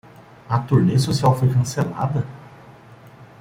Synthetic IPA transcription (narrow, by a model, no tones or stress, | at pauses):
ɐt̪oneɐsosiawfojkɐ̃sela̰d̪ɐ